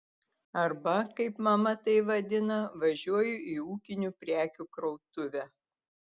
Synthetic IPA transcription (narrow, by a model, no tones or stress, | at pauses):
ɐɾbɐkɐɪpmɐmɐt̪ɐɪʋɐd̪ʲɪnɐʋɐʒʲuɔjʊʔiuːkʲɪnʲupʲɾʲæːkʲukɾɐʊt̪ʊʋʲæ